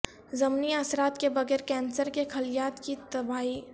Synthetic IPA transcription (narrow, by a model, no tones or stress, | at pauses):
zɐmniaːsɾaːt̪kebɐɣɛːɾkɛ̃ːnsəɾkekʰɐlɪjaːt̪kit̪ɐbaːi